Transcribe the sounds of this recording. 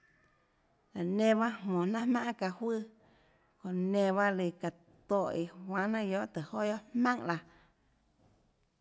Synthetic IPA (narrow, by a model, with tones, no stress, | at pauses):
la˨nẽ˧˨βa˦hmɔ̃˨nã˦mã˦ʔka˧hwɨ˦˨ | kõ˨nẽ˧˨βa˦li˧˨ka˨ | t̪o˧˨ʔi˨hwã˧˦nã˦jo˦˨ʔt̪ə˨ho˦jo˦ʔhmã˦ŋla˧˨